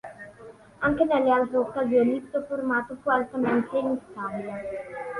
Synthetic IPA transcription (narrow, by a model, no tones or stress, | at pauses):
aŋkenɛlːealt̪ɾookːazjolipt̪ofoɾmat̪ofualt̪amẽnt̪eiŋst̪aɾia